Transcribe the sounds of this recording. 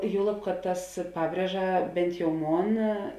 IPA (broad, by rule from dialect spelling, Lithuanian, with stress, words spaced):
ˈjuɔlˠɐp kɐt tɐs ˈpɑːbʲrʲiɛʒɐ bʲɛnt jɛʊ ˈmoːn